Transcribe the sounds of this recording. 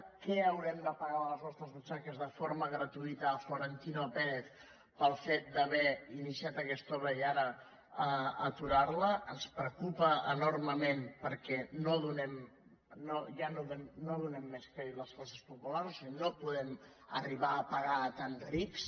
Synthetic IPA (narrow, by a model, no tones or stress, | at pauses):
kɛəwɾɛmd̪əpəɣaələznɔst̪ɾəzβut͡ʃakəzðəfoɾməɣɾət̪uit̪əːfloɾənt̪inopeɾeθ | pəlˠfet̪̚d̪əβɛinisiat̪əkɛst̪ɔβɾəiaɾə | əət̪uɾarləʔənspɾəkupəənorməmempəɾkɛnoðunɛm | noʒanoðɛnoðunɛmːeskɾeiləsfasəspupulaɾsinopuðɛm | ə̰riβ̞aːpəɣat̪anɾiks